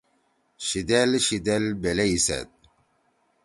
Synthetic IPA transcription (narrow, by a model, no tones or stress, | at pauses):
ɕid̪elɕid̪elbeleisḛt̪̚